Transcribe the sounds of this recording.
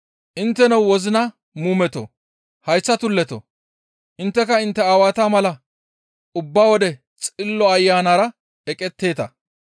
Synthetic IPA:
ʔɪnt̪ːɛnɐwwɔzɪnɐ | muːmɛt̪ɔ̰ | hɐjsːɐt̪ʊlːɛt̪ɔ̰ | ʔɪnt̪ːɛkɐɪnt̪ːɛaːwaːt̪aːmɐlɐ | ʊbːaːwɔd̪ɛ | t͡sʼɪlːɔɐjːaːnaːɾɐ | ɛkʼɛt̪ːe̞ːt̪ɐ

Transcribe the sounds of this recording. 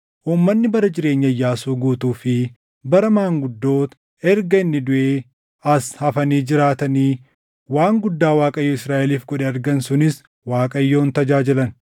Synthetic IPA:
ʔuːmːɐnːɪbɐɾɐd͡ʒɪɾe̞ːɲːɐjːaːsuːɡuːt̪uːfɪ | bɐɾɐmaːŋɡʊd̪ːo̞ːt̪ | ɛɾɡɐɪnːɪd̪ʊʔeː | ɐshɐfɐniːd͡ʒɪɾaːt̪ɐniː | waːŋɡʊd̪ːaːwaːkʼɐjːoːɪsɾaːʔɛliːfkɔɗɛɐɾɡɐnsʊnɪs | waːkʼɐjːo̞ːnt̪ɐd͡ʒaːd͡ʒɪlɐn

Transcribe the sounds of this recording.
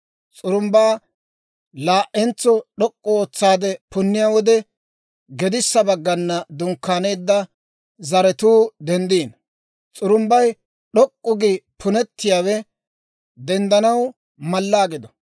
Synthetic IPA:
t͡sʼʊɾʊmbaː | laːʔɛnt͡sːɔɗɔkʼːɔoːt͡sːaːd̪ɛpʊnːɪjaːwɔd̪ɛ | ɡɛd̪ɪsːɐbɐɡːɐnːɐd̪ʊŋkːaːneːd̪ːɐ | zɐɾɛt̪uːd̪ɛnd̪iːn | t͡sʼʊɾʊmbɐj | ɗɔkʼːʊɡɪpʰʊnɛt̪ːɪjaːwɛ | d̪ɛnd̪ɐnɐw | mɐlːaːɡɪd̪ɔ̥

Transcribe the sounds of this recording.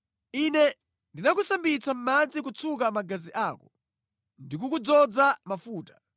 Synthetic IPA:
inɛ | ndinak̬usambit͡sam̩mand͡zik̬ut͡sʰukamaɡaziʔaːkɔ | ndik̬ukud͡zɔd͡zamafuːtḁ

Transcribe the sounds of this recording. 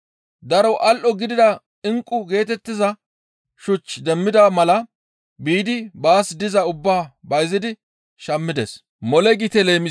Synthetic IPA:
d̪ɐɾɔwʔɐlʔɔɡɪd̪ɪd̪ɐ | ɪŋkʼːʊɡe̞ːt̪ɛt̪ːɪzɐ | ʃʊt͡ʃːd̪ɛmːɪd̪ɐmɐlɐ | biːd̪ɪbaːsd̪ɪzɐʊbːaːbɐjzɪd̪ɪ | ʃɐmːɪd̪ɛs | mɔlɛɡɪt̪ɛle̞ːmɪ

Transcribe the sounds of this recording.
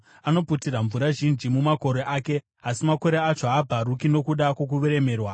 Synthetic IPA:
ano̞putiraɱvuɾaʒind͡ʒimumako̞ɾe̞ʔaːke̞ | asimako̞ɾeat͡ʃoabʱarukino̞kuɗakwok̬uʋeɾe̞me̞ːrwa

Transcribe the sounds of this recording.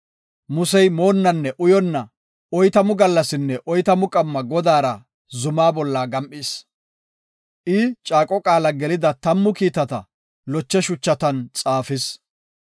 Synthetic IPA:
mʊsɛjmo̞ːnːɐnːɛʔʊjɔnːɐ | ɔjt̪ɐmʊɡɐlːɐsɪnːɛʔɔjt̪ɐmʊkʼɐmːɐɡɔd̪aːɾɐ | zʊmaːbɔlːaɡɐmʔʼɪs | ʔɪt͡ʃʼaːkʼɔkʼaːlɐɡɛlɪd̪ɐt̪ɐmːʊkiːt̪ɐt̪ɐ̰ | lɔt͡ʃːɛʃʊt͡ʃːɐt̪ɐnt͡sʼaːfɪs

